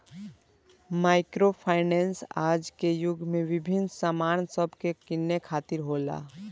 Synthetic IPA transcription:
maːɪkɾopʰaːɪnɛːnsaːd͡ʒkejʊɡʱmẽʋɪbʱɪnsamaːnsəbʱkekɪnːekʰaːt̪ɪɾɦoːla̰ː

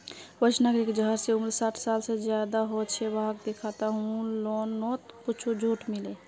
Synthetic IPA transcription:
bət͡ʃʰnaɡɾikd͡ʒəɦəɾseumɾsaʈʰsalsed͡ʒjad̪aɦot͡ʃʰɛbaɦak̚d̪ekʰat̪aɦũlɔnːɔt̪put͡ʃʰud͡ʒʱoʈmile

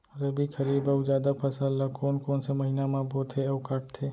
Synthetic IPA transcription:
ɾɐbʱikʰɐɾiːbɐʊd͡ʒaːd̪apʰɐsəllakoːnkoːnsemɐɦiːnamãboːt̪ʰeɐʊkaʈ̚t̪ʰeː

